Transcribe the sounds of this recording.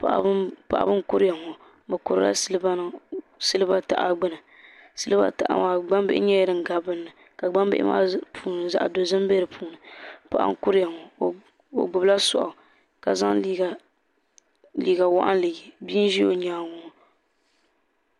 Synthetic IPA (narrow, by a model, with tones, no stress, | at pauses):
pa˨ʔpa̰˨ʔa̰˦bɨ˦nkʊ˦ɾja˨ŋɔ˨ | bɨ˨kʊ˨ɾɨ̰˦la̰˦sɨ˦lba˦n˦ | sɨ˦lɨ˦ba˦ta̰˨ʔa̰˦ɡ͡bɨ˦nɨ˨ | sɨ˦lɨ˦ba̰˦ta˨ʔa̰˨maː˨˦ɡ͡ba˦mbɪ˦ʔɪ̰˦ɲɛ˦jɛ˦dɨ˨ŋ˨ɡa˨bɨ˦nːɨ˨ | ka˨ɡ͡ba˦m˦bɪ̰˦ʔɪ̰˦ma̰ː˦pʰuː˨nɨ˨za̰˨ʔdo˨zɨ˦m˦bɛ˦ɾɨ˨pʰuː˨˦nɨ˨pa˨ʔa̰˦ŋ̩˦kʊ˦ɾja˨ŋɔ˨ | o̰˨ɡ͡bʊ˨bla˦sʊ˨ʔa̰˨ | ka˨za˦ŋ˦˨ | liː˨ɡa˨wa˦ʔa̰˦n˦lɨ˨ji˨biː˦n˦ʒi˦o˨ɲaː˨ŋɔ˨ŋ˨